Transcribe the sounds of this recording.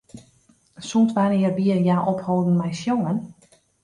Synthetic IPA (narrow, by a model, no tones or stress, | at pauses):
suntʋanɪərbiəjaʔophoːdn̩mɛjsjoŋən